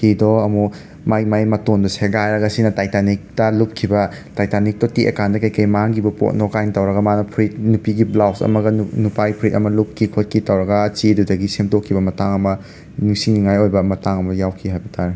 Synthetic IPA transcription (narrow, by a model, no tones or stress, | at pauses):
kidɔɐmu | majmajmɐtondɐseɡajɾɐɡɐsinɐtajtanik̚tɐlup̚kʰibɐ | tajtanik̚totiʔḛkandɐkɐjkɐjmaŋɡibɐpo̰t̚nɔkajntɐwɾɐɡɐmanɐpʰɾit̚nupiɡiblawsɐ̰mɐɡɐnnupajpʰɾit̚ɐmɐlup̚kʰikʰot̚kʰitɐwɾɐɡɐt͡ʃidudɐɡisemtokʰːibɐmɐtaŋɐmɐ | niŋsiŋniŋajojbɐmɐtaŋɐmɐjawkʰiɦajbɐtʰaɾi